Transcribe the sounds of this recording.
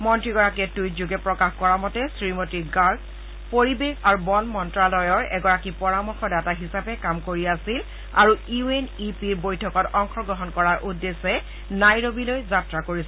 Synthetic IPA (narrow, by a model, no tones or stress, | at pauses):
mɔntɹiɡɔɹakiɛtujzuɡɛpɹɔkaxkɔɹamɔtɛsɹimotiɡaɹ | poɹibexaɹubɔnmɔntɹalɔjɔɹɛ̰ɡɔɹakipɔɹamɔxɔɹdataɦisapɛkamkoɹiasil | a̰ɹuuenipiɹbojtʰɔkɔtɔŋxɔɡɹɔɦɔnkɔɹaɹʔudːesɛ | najɹobilojzatɹakoɹisɛ